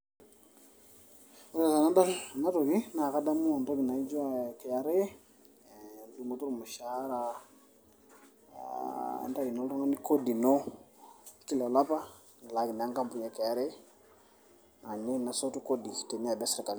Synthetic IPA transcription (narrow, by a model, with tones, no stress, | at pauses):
sa˨sa˨na˦da˦na˦to˨ɡi˦na˨ka˦da˦mu˦a˨nto˦ɡi˨na˨i˦d͡ʒɔ˦a˦˨kɛ˨ja˨ɾe˦ | du˨ŋɡo˦tu˦ɾu˨ma˨ʃa˦ɾa˦˨ | nta˦i˨no˦ltɔ˦ŋa˦ni˦ko˦di˨nɔ˦ | ki˦la˨la˦pa˦ | n˨la˨ɡi˨na˨˦ŋka˦mpu˨ɲe˨kɛ˨ja˦ɾe˦ | ŋa˨ɲi˦na˨so˦tu˦ko˦di˨te˨ni˦a˨bɛ˦si˨ɾa˨ka˨n